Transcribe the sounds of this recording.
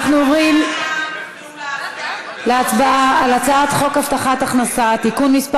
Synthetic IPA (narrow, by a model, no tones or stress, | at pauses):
χnuovʁim | leat̪baaːlat͡saat̪χo̞kaft̪aχat̪aχnasat̪ikunmisp